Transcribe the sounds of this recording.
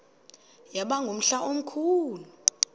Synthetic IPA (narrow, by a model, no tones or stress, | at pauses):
jaɓaŋɡʱom̩ɬaʔom̩kʰuːlu